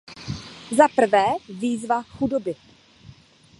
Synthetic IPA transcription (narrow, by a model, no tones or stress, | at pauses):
zapr̩vɛːviːzvaxudobɪ